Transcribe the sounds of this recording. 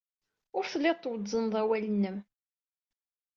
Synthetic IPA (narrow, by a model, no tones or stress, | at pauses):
ʊɾθəlːɪt̪ˤːwəzənd̪ˤæwælənːəm